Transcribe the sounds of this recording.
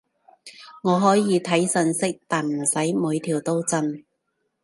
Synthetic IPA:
ŋɔː˨˧ɦɔː˨˥jiː˨˧t̪ʰɐ˨˥jsɵ˧nsɪ˥k̚t̪aː˨nm̩˨˩sɐ˨˥jmuː˨˧jt̪ʰiː˨˩wt̪o˥wt͡sə˧n

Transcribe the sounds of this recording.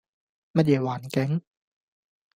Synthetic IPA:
ma˧die˨˩waː˨˦nkɛ˦ŋ

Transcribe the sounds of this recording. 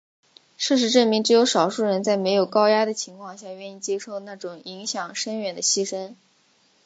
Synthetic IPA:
ʂɤ˥˩ʂ̬ɻ̩˧˥ʈ͡ʂə˥˩nmi˧˥ŋʈ͡ʂɻ̩˧˥jo˧˥ʊʂɑ˨˩ʊʂu˥˩ɻə˧˥nt͡sa˥˩ɪme˧˥ɪjo˨˩ʊkɑ˥ʊja˥d̪ə˨t͡ɕʰi˧˥ŋkʰwɑ˥˧ŋɕja˥˧ɥɛ˥˧ni˥˩t͡ɕjɛ˥ʂo˥˧ʊna˥˩ʈ͡ʂʊ˨˩ŋi˧˥ŋɕjɑ˨˩ŋʂə˥nɥɛ˨˩nd̪ə˦ɕi˥ʂə˥n

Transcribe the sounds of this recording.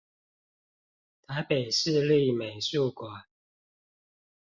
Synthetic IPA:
t̪ʰa˨˦ɪpe˨˩ɪʂɻ̩˥˧li˥˩me˨˩ɪsu˥˩kwa˨˩˦n

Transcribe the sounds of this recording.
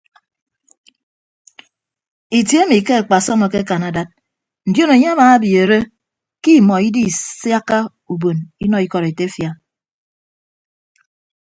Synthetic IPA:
i˨tjmi˨ke˦a˨k͡pa˨sɔ˦mo˨ke˦ka˨na˨da˦t̚ | n̩˨djo˦ne˨ɲe˦a˦maː˨˦bje˨ɾe˦ | ki˦˨mɔ˨i˦di˦˨sja˦ka˦ | u˨bo˨ni˦nɔ˨i˦kɔ˨ɾe˨te˦fja˨

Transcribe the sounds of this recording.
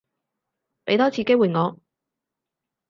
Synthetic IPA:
pe˨˥jt̪ɔː˥t͡sʰiː˨˧ke˥wu˨˩ŋɔː˨˧

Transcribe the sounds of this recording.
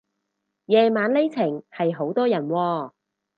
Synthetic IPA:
jɛː˨˧maː˨˥nle˥jt͡sʰɪ˨˩ŋhɐ˨jɦo˨˥wt̪ɔː˥jɐ˨˩nwɔː˧

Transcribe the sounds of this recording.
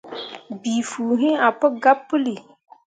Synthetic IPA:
bi˨fuː˨ɦɪ̃˦a˨pɨ˦ɡa˦pːɨ˦li˨

